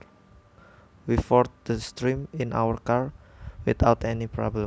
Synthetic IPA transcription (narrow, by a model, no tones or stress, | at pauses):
wifɔrt̪̚d̪̥əst̪ɾiminʔa̰wərkarwit̪awt̪ɛnipɾɔ̰blɛ